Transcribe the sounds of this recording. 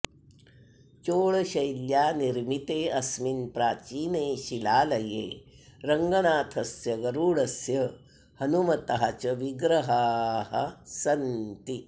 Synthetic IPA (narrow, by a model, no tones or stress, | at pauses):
t͡ʃoːɭɐʃɐjljaːniɾmit̪eːʔɐsminpɾaːt͡ʃiːneːʃilaːlɐjeː | ɾɐŋɡɐnaːt̪ʰɐsjɐɡɐɾuːɭɐsjɐ | hɐnumɐt̪ɐɦɐt͡ʃɐʋiɡɾɐɦaːhɐ̰sɐnt̪i